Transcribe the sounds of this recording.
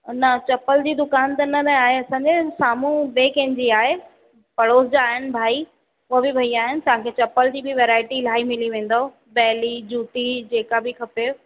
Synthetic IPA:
nɐt͡ɕɐpəld͡ʑiːd̪ʊkaːnt̪ɐnɐnɐaːɦeɐsãːɲd͡ʑesaːmũbeːkɐ̃ɦɪ̃ɲd͡ʑiaːɦe | pɐɽoːsd͡ʑaːɦɪnɪ̆bʱaːi | ʊbɪbʱɐiaːɦɪnɪ̆t̪ɐʋ̤ãkʰeːt͡ɕɐpəld͡ʑiːbɪʋeːɾaːɪʈil̤aːimɪliʋẽːn̆d̪oo | bɛːlid͡ʑuːt̪id͡ʑeːkabɪkʰɐpe

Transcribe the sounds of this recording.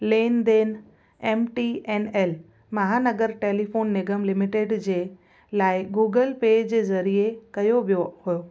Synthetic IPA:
leːnd̪eːn | eːmʈiɛːnɛːl | mɐɦaːnɐɡəɾʈeːlifoːnːɪɡəmlɪmɪʈeːɖd͡ʑeː | laːɪɡuːɡəlpeːd͡ʑd͡ʑeːzɐɾiekɐjoʋijohujoː

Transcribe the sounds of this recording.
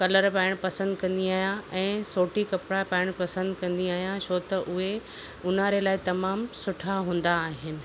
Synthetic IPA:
kɐləɾpaːɪɽ̃pɐsə̃nd̪kɐ̃nd̪iaːɦjãɛ̃ːsoːʈikɐpɽapãːɪɽ̃pɐsə̃nd̪kɐ̃nd̪iaːɦijãsoːt̪ɐʔʊɦeʊnaɾelaːɪt̪ɐmaːmsʊʈʰaɦũːn̆d̪aːɦɪnɪ̆

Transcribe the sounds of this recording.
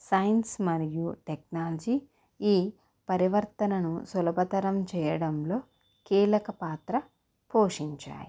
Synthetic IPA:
sɐjɐnsmɐɾijuʈek̚naːlɐd͡ʒiː | iː | pɐɾiʋɐɾt̪ɐnɐnusulɐbʱɐt̪ɐɾɐmt͡ʃɛːjɐɽɐmlo̞ː | kiːlɐkɐpaːt̪ɾɐ | poːʂiɲt͡ʃa̰ːjḭ

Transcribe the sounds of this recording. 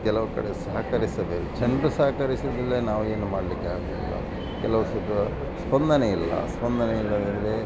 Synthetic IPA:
kɛlɐʋɐkɐ̰ɽesɐːɦɐkɐɾisɐʋet͡ʃend̪ɾɐsɐɦɐkɐɾisɐd̪ɐlːɐnaːʋue̞ːnumaːɽlikːaːɡḭlːɐ̰ | kɛlɐʋɐsud̪ɐ | spɐnd̪ʱɐneilːɐ̰spɐnd̪ʱɐneilːɐd̪end̪ɐɾe

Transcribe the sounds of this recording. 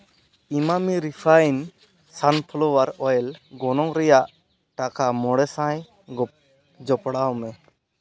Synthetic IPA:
imamiɾipʰajn | sanpʰɔlɔwaɾɔjɛlɡɔnɔŋɾɛjaʔ | ʈakamɔɽɛsãj | ɡɔ | d͡ʒɔpɽawmɛ

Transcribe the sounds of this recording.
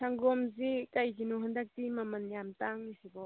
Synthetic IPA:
sʰaŋɡɔmzikajkinɔɦand̪ak̚t̪imamɐnjamt̪aŋnisibɔ

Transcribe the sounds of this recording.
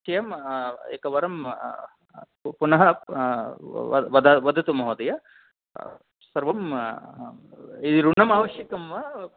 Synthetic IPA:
t͡ʃɐjɐmḛːkɐʋɐɾɐm | punɐɦɐ | ʋɐd̪ʋɐd̪ʱɐt̪umɐɦoːd̪ɐjɐ | sɐɾʋɐm | id̪iɾuɳɐmaːʋɐʃjɐkɐmːɐ

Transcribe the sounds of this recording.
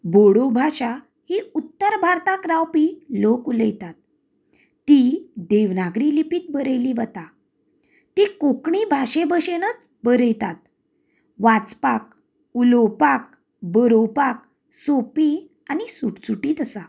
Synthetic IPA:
boɽobʱaɕa | hiut̪ːəɾbʱaɾt̪akɾawpilokuləjt̪at̪̚ː | id̪eʋnaɡɾilipiːt̪̚bəɾəjliʋət̪a | t̪iːkokɳibʱaɕebəɕenət͡s | bəɾəjt̪at̪̚ | ʋat͡spak̚ | ulowpak̚ | bəɾowpak | sopi | anisuʈsuʈiːt̪əsa

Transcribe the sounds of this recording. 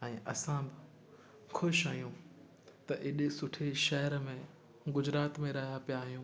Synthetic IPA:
ɛ̃ːʔɐsãbɪ | xʰʊʃaːɦijũː | t̪ɐʔɪɗsʊʈʰeʃɐɦəɾmẽ | ɡʊd͡ʑɾaːt̪mẽɾɐɦijapijaːɦijũː

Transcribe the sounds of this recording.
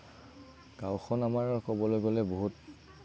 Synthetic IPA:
ɡ̥awxʰɔnamaɹɔkɔbɔlojɡolɛboɦut̚

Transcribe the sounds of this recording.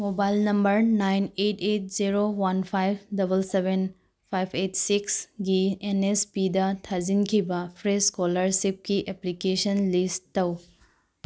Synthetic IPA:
mobajlnɐmbɐɾnajnetʰet̚ziɾowanpʰajp̚ʰdɐbɐlsebʱen | pʰajpʰetsiksɡienespidɐtʰazinkʰibɐpʰɾeskolɐɾsip̚kiʔeplikesɐnlisːɐw

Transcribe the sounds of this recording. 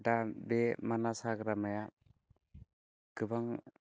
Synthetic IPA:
dabemanasaɡɾamaja | kɯbaŋ

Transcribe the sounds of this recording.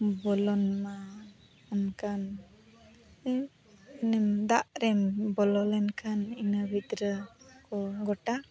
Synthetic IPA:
bɔlɔnma | ɔnkan | nɛmd̪aʔɾɛmbɔlɔlɛnkʰaninabid̪ɾəkɔɡɔʈa

